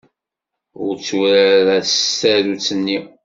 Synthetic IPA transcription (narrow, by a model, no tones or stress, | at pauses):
ʊɾt͡sːuɾæɾææɾut͡sːənːi